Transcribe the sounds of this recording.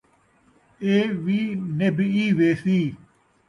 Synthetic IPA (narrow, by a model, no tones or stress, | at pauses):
eːʋiːnebiːʋeːsiː